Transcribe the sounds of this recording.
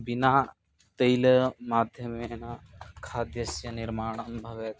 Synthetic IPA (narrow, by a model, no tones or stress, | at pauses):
binaː | t̪ɐjlmaːd̪ʱjɐmenakʰaːd̪jɐsjɐniɾmaːɳ̃ɐmbʱɐʋet̪